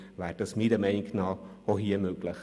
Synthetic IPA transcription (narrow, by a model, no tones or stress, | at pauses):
ʋæːɾd̥ɑsmidəmɛɪniknɑː | oɦiəmøɡləχ